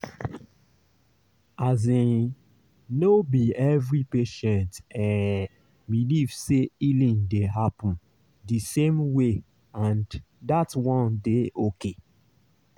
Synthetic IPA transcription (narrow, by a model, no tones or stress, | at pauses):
azẽ | nobiɛvɹipeʃɛ̃ntɛ̃ | biliv̥seilĩŋdeɦapɔ̃n | disẽmwe | ãn | datwɔ̃ndeʔoke